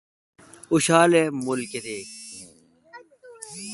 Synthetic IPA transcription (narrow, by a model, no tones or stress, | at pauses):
uɕaːlemulked̪eː